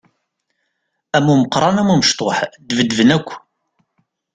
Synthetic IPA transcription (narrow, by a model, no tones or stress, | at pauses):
æmuməqɾˤɑnæmuməʃt̪ˤoħd̪vəd̪vənækʷː